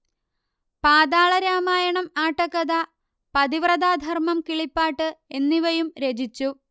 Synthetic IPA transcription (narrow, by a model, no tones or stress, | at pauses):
paːd̪aːɭɐɾaːmaːjɐɳɐmaːʈːɐkːɐd̪a | pɐd̪iʋrɐd̪aːd̪ʱɐrmɐmkiɭipːaːʈːɨe̞nːiʋɐjumɾe̞d͡ʑit͡ɕːu